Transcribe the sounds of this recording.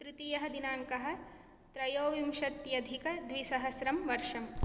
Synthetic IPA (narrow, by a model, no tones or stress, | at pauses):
t̪ɾit̪ijɐɦɐd̪inaːŋkɐɦɐ̆ | t̪ɾɐjoːʋimʃɐt̪jɐd̪ʱikɐd̪ʋisɐɦɐsɾɐmʋɐɾʃɐm